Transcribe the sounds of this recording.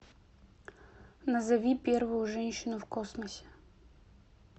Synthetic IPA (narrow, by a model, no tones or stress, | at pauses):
nɐzɐvʲipʲervʊjʊʐɛnʲɕːɪnʊfkosməsʲe̥